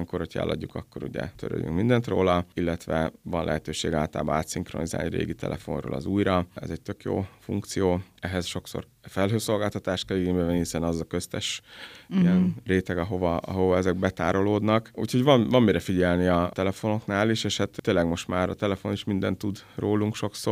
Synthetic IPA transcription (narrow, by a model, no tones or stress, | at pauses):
ŋkorho̞cʰɛ̰lːʔɒ̰ɟːukɒkːo̞ɾṵɟɛ̰t̪øɾø̰ːjy̰ŋkmind̪ɛnt̪ro̰ːlɒilːɛt̪ʋɛvɒnlʔɛ̰ɦɛt̪øːʃḛːɡaːlt̪a̰ːbɒaːt̪siŋxro̞niza̰ːlniɾḛːɡit̪ʰɛ̰lʔɛfo̞̰nro̰ːlɒ̰zuːjɾɒɛ̰zɛc̚t̪økjo̰ːfuŋkt̪sijoːɛɦɛsʃo̞kso̰r | fɛlɦøːso̞lɡaːlt̪ɒt̪aːʃt̪̚kɛliɡeːɲbɛvɛnːihisɛnɒzɒkø̞st̪ɛʃijɛnreːt̪ɛɡɒɦo̞vɒɒ̰ɦo̞vɒɛzɛɡ̚bɛt̪a̰ːɾo̞loːd̪nɒkṵːcʰhoɟʋɒnvɒmmːiɾɛfiɟɛlniɒt̪ɛlɛfo̞no̞knaːliʃeːʃhat̪ːeːlɛɡmo̞ʃt̪maːɾɒ̰t̪ɛlɛfo̞niʃmind̪ɛnt̪ːud̪roːluŋkʃo̞ksoːr